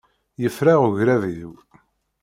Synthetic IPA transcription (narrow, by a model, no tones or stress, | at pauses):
jəfɾaʁuʝɾæviðw